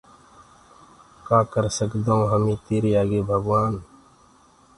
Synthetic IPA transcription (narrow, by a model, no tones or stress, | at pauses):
kaːkəɾsəkd̪aːũɦəmĩːt̪eːɾiːaːɡeːbʱəɡʋaːn